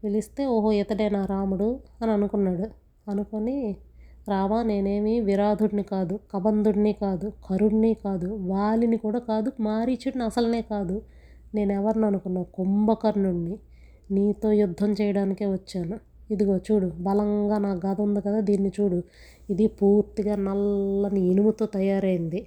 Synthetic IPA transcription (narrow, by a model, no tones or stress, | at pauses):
ʋilist̪e̞ːoːɦoɛt̪ɐʈɐjnaːɾaːmuɽuɐniɐnukunːaːɽu | ɐnukoni | ɾaːʋaːne̞ːne̞ːmiʋiɾaːd̪ʱuɽnikaːd̪ukɐbɐnd̪uɽnikaːd̪ukʰɐɾuɽniːkaːd̪uʋaːɭinikuːɽaːkaːd̪umaːɾit͡ʃuɽniɐsɐlɐne̞ːkaːd̪u | ne̞ːnɛʋɐɾniɐnukunːaːkumbɐkɐɾnuɳːi | niːt̪o̞ːjud̪ʱːɐmt͡ʃɛːjɐɽaːnikeːʋɐt͡ʃːaːnu | id̪iɡo̞ːt͡ʃuːɽubɐlɐŋɡaːnaːɡɐd̪ɐund̪ukɐd̪aːd̪iːnːit͡ʃuːɽu | id̪ipuːɾt̪iɡaːnɐlːɐniːnumut̪o̞ːt̪ɐjaːɾɐjind̪i